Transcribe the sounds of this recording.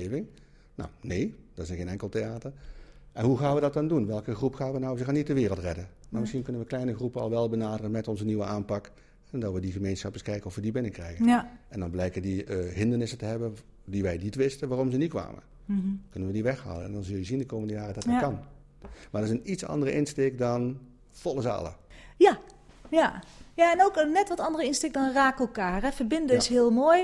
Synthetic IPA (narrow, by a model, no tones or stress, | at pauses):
evɪŋ | na̰wnejd̥ɑtɪsχejnɛŋklˠteaːtəɹʔɛnɦuɣaːnʋədɑt̚dɑndunʋɛlˠkəχrupχaːnʋənɔwzəɣaːnit̚dəʋɪːrəlˠtrɛdənnamɪsχinkɵnənʋəklɛjnəχrupənɑ̰lˠʋɛlˠbənaːdərənmɛtɔnzəniʋəʔaːnpɑk | dɑtʋədiɣəmejnsχɑpəskɛjkənɔfʋədibɪnəkrɛjɣənʔɛndɑnblɛjkədiɦɪndərnɪsətəɦɛbən | diʋɛjnitʋɪstəʋaːrɔmzənitkʋa̰ːmə̰ | kɵnənʋədiʋɛxha̰ːlənɛ̰ndɔnzɵlˠjəzindəkowməndəjaːrədɑtkɑn | maːdəɪsənitsɑ̰ndərəʔɪnsteːkdɑn | fɔlˠəzɑ̰lˠə̰ja | jajaɛnowknɛtʋɔtɑndərəɪnstek̚dɔnraːkɛlˠkaːrɛfərbɪndəɪsɦɪːlˠmoːj